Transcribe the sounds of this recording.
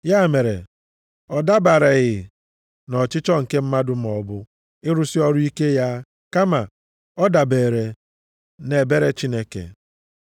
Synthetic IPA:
ja˦˨me˨ɾe˨ | ɔ˨da˦ba˨ɾe˨ɣɪ˨ | nɔ˨t͡ʃɪ˦t͡ʃɔ˦ŋ̩˨ke˦m̩˦ma˦dʊ˨m̩˦˨ɔ˨bʊ˦ | ɪ˦ɾʊ˦sɪ˦ɔ˦ɾʊ˦i˦ke˦ja˦ | ka˦ma˨ | ɔ˦da˨be˨ɾe˨ | ne˨be˦ɾe˦t͡ʃi˦ne˦kḛ˨

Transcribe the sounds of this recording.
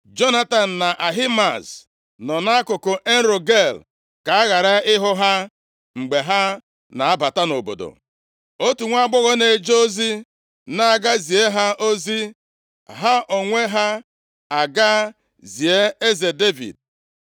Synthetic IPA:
d͡ʒo˦na˦ta˨n̩˨na˨ʔa˨ɦi˦ma˨s | nɔ˨na˦a˦kʊ˨kʊ˨ʔe˦n̩˦ɾo˨ɡe˦˨l | ka˨a˦ɣa˨ɾa˦ɪ˦ɦʊ˦ɦa˦ | ŋ͡m̩˨ɡ͡be˨ɦa˦ | na˨a˦ba˨ta˦no˨bo̰˨do̰˨ | o˦tu˨ŋʷa˦ɡ͡bʊ˦ɣɔ˦ne˨d͡ʒo˦zi˦ | na˦a˨ɡa˦zi˨e˦ɦa˦ʔo˦zi˦ | ɦa˦ʔo˨ŋʷe˦ɦa˦ | a˨ɡa˦ | zi˨e˦e˦ze˨de˦vḭ˨d̚

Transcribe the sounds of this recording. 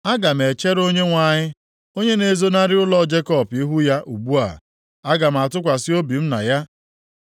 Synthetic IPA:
a˦ɡa˨m̩˨e˨t͡ʃe˦ɾo˦ɲe˦ŋʷa˨ɲɪ˦ | o˦ɲe˦ne˨zo˦na˦ɾɪ˦ʊ˦lɔ˦d͡ʒe˦kɔ˦pi˦ɦu˦ja˦ʔu˨ɡ͡bu˦a̰˨ | a˦ɡa˨m̩˨a˨tʊ˦kʷa˨sɪ˦o˦bi˨m̩˦na˨ja˦

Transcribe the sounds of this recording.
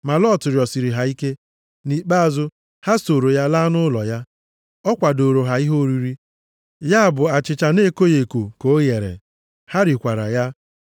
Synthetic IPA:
ma˨lɔ˦˨tʊ˨ɾjɔ˨si˨ɾi˨ɦa˨i˦ke˦ | ni˨k͡pa˦a˨zʊ˦ | ha˦so˨ɾo˨ja˦la˦nʊ˦lɔ˨ja˦ | ɔ˦kʷa˨do˨ɾo˨ɦa˨i˦ɦo˦o˦ɾi˦ɾi˦ | ja˦˨bʊ˨a˨t͡ʃɪ˨t͡ʃa˨ne˦ko˦je˨ko˨ko˨˦je˨ɾḛ˨ | ha˦ɾi˨kʷa˨ɾa̰˨ja˦

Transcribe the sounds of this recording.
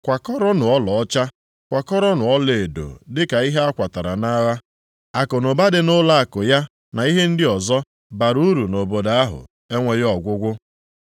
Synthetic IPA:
kʷa˨kɔ˦ɾɔ˦nʊ˨ɔ˦lɔ˨ɔ˦t͡ʃa˦ | kʷa˨kɔ˦ɾɔ˦nʊ˨ɔ˦le˨do̰˨dɪ˦ka˨i˦ɦe˦a˦kʷa˨ta˨ɾa̰˨na˦ɣa˦ | a˨kʊ˨nʊ˨ba˦dɪ˨nʊ˦la˦a˨kʊ˨ja˦ | na˨i˦ɦe˦n̩˦dɪ˦ɔ˨zɔ˦ | ba˨ɾu˦ɾu˨no˨bo˨da˦a˦ɦʊ̰˨ | e˦ŋʷe˦jɔ˨ɡʷʊ˦ɡʷʊ˦

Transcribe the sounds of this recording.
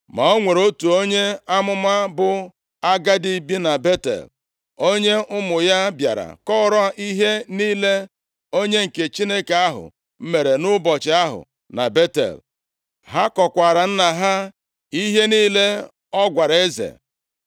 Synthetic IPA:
ma˨o˦ŋʷe˨ɾo˦tu˨o˦ɲe˦a˦mʊ˦ma˦bʊ˨ | a˦ɡa˦di˦˨bi˦na˨be˦tḛ˨l | o˦ɲe˦ʔʊ˦mʊ˨ja˦bja̰˨ɾa̰˨kɔ˦ɾɔ˦ʔi˦ɦe˦niː˦le˦ | o˦ɲe˦ŋ̩˨ke˨t͡ʃi˦ne˦ke˨a˦ɦʊ̰˨ | m̩˦me˨ɾe˨nʊ˦bɔ˨t͡ʃɪ˨˦a˦ɦʊ̰˨ | na̰˨be˦tḛ˨l | ɦa˦kɔ˨kʷa˨ɾa˨n̩˦na˨ɦa˦ | i˦ɦe˦niː˦le˦ | ɔ˦ɡʷa˨ɾe˦zḛ˨

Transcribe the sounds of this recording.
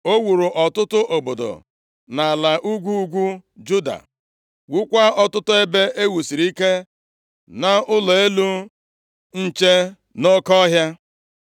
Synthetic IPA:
o˦wu˨ɾu˨ʔɔ˨tʊ˦tʊ˦ʔo˨bo˨do̰˨ | na˨a˨la˨ʔu˦ɡʷu˦u˦ɡʷu˦d͡ʒu˦da̰˨ | wu˦kʷa˦ɔ˦tʊ˦tʊ˦e˦be˦ʔe˦wu˨si˨ɾi˦ke˦ | na˨ʊ˦lɔ˨e˦lu˦ | n̩˦t͡ʃe˦ | no˦kɔ˦ɦja˦

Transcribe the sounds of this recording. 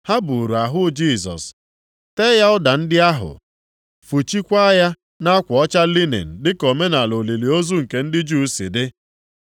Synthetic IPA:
ha˦bu˨ɾu˨a˨ɦʊ˦d͡ʒi˦˨sɔ̰˨s | te˦ja˦ʊ˦da˨n̩˦dɪ˦a˦ɦʊ̰˨ | fu˨t͡ʃi˦kʷa˦ja˦ | na˦kʷʊ˨ɔ˦t͡ʃa˦li˦nḛ˨n̩˨dɪ˦ko˨me˦na˨lo˨li˨li˨o˦zu˦ŋ̩˨ke˨n̩˦dɪ˦d͡ʒu˦sḭ˨dɪ˦

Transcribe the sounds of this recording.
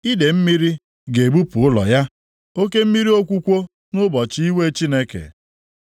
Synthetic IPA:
i˦de˨m̩˦mi˦ɾi˦ | ɡe˨ɡ͡bu˦pu˨ʊ˦lɔ̰˨ja˦ | o˦ke˦m̩˦mi˦ɾi˦o˦kʷu˦kʷo˦ | nʊ˦bɔ˨t͡ʃi˦i˦we˦t͡ʃi˦ne˦kḛ˨

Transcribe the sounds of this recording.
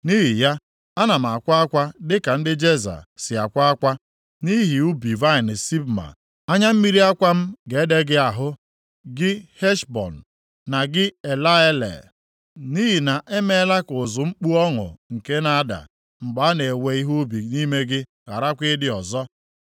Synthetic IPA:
ni˦ɦi˨ja˦ | a˦na˨m̩˨a˨kʷa˦a˦kʷa˦dɪ˦ka˨n̩˦dɪ˦d͡ʒe˦za̰˨sɪ˨a˨kʷa˦a˦kʷa˦ | ni˦ɦi˨u˦bi˨va˦ɪ˨n˨si˦bma̰˨ | a˦ɲa˦m̩˦mi˦ɾi˦a˦kʷa˦m̩˦ɡe˨˦de˦ɡɪ˦a˨ɦʊ˦ | ɡɪ˦he˦ʃbɔ̰˨n̩ː˨ | a˨ɡɪ˦e˨la˦e˦lḛ˨ | ni˦ɦi˨na˨ʔe˦me˦la˦kʊ˨zʊ˨ŋ͡m̩˦k͡pu˦ɔ˦ŋʊ̰˨ŋ̩˨ke˦na˦da̰˨ | ŋ͡m̩˨ɡ͡ba˨a˦ne˨we˨˦i˦ɦu˦bi˨ni˦me˦ɡɪ˦ | ɣa̰˨ɾa˦kʷe˦dɪ˦ɔ˨zɔ˦

